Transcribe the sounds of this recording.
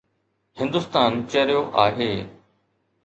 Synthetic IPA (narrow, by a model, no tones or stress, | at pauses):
hɪ̃nd̪ʊst̪aːnt͡ɕəɾijoʔaːɦeː